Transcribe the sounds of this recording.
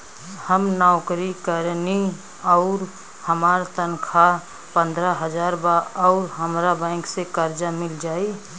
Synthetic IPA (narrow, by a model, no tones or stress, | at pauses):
həmnaʊkɾikəɾni | ɔʊɾ | həmaːɾt̪ənkʰa | pə̃nd̪ɾaɦəd͡ʒaɾbaɔʊɾɦəmɾabɛ̃ɪŋksekəɾd͡ʒamɪld͡ʒaːi